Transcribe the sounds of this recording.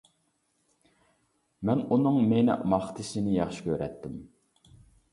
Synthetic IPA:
mɛnunɨŋmenɛ̰ʔmɑχt̪ʰɪsɪnɪjɑχʃɪ̥kʲøɾɛt̪ːɪm

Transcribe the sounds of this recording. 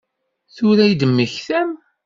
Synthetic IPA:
θʊɾæjd̪əmːəçθæm

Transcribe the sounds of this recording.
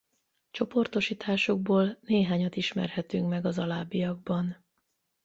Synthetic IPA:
t͡ʃo̞po̞rt̪o̞ʃiːt̪ʰaːʃoɡ̚boːlneːɦaːɲɒt̪iʃmɛ̰rhɛt̪yŋkmɛɡɒzɒlaːbijɒɡ̚bɒn

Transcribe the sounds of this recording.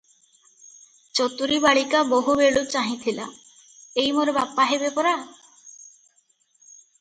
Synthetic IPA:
t͡ʃot̪uɾibaɭikaboɦubeɭut͡ɕaɦĩt̪ʰila̰ | ejmoɾebapːaɦebepɔɾa

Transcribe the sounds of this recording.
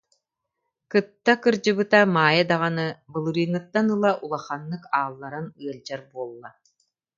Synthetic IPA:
kɯt̪ːakɯɾd͡ʑɯbɯt̪amaːjad̪aʁanɯbɯlˠɯɾɯːnɯt̪ːanɯlˠaʔulˠaχanːɯkaːlˠːaɾanɯɐld͡ʑaɾbuɔlˠːa

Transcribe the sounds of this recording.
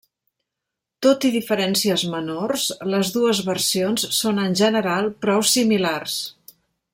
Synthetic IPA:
t̪ot̪iðifəɾɛnsiəzmənorsləzðuəzβərsionsːonənʲʒənəɾalˠpɾɔwsimilars

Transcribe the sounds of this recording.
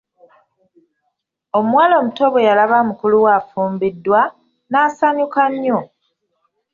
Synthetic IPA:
o̞muwaːlo̞muto̞βwe̞jalaβamukuluwaːfuːmbidːwa | naːsaɲukaɲːo

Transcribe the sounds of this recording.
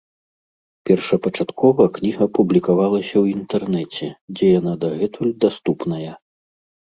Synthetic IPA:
pʲɛrʂɐpɐt͡ʂat̪kʰɔvɐknʲiɣɐpublʲikavalˠɐsʲɐwint̪ɛrnɛt͡sʲɛd͡zʲɛjanad̪ɐɣɛt̪ulʲd̪ast̪upnɐjɐ

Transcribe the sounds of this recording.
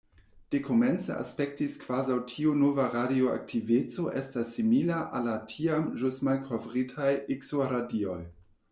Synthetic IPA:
d̥ekʰoment͡sḛa̰spek̚tiskv̥azawtʰiunovaɾadioa̰k̚tʰivet͡so̞ʔestasːimilaʔa̰latʰiamʒusmalkʰovʁitʰajiksoɾadio̞j

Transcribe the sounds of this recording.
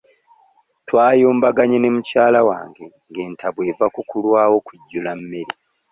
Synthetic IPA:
twaːjoːmbaɡaɲe̞ne̞mucaːlawa̰ːŋɡe̞ | ŋɡe̞ːntʰaβwe̞ːvakukulwaːwo̞kuɟːulamːeɾi

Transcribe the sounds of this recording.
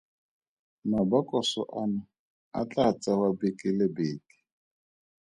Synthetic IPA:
nabakʼɔsɔ̰ʔana | a̰t͡ɬʼat͡sʼawabekʼɪlɪbeːki̥

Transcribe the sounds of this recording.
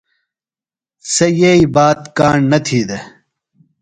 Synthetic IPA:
sɐjeibaːt̪kaːɳnɐt̪ʰiːd̪ɐ

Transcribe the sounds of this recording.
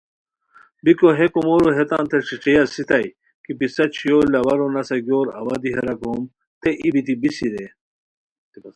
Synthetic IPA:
bikoɦekomoːɾoɦet̪ã̰ːnt̪ʰeʂiʈ͡ʂijasit̪ɐj | kipisɐt͡ɕʰijoːlɐwɐɾonɐsɐɡjoːɾɐ̰wɐd̪iɦɐɾɐkoːm | t̪eʔibit̪ibisiɾe

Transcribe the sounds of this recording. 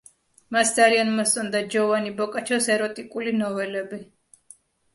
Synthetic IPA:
masd̪zalianmɔssʼɔnd̪ad͡ʒɔvanibɔkʼat͡ʃʰɔsɛɾɔt̪ʼikʼulinɔvɛlɛbi

